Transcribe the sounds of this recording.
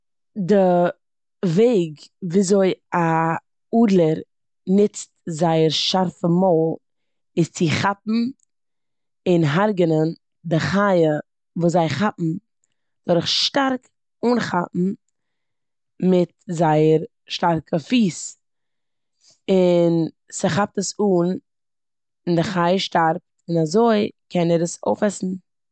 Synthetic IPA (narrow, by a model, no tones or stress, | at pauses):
dɪ | veɪɡviːzoɪa | uːdlˠəɾ | nɪt͡st̚zaɪəɾʃaɾfəmɔlˠ | ɪst͡sɪχap̚m̩ | ɪnɦaɾɡənən | dɪχajə | vuːszaɪχapm̩ | d̥ɔɾɪχʃtaɾk | uːnχapm̩ | mɪt̚zaɪəɾ | ʃtaɾkʰəfiːs | ɪn | səχap̚təsuːn | ɪndɪχaɪəʃtaɾp̚tɪnazoɪkʰɛnəɾəso̰ʊfɛsn̩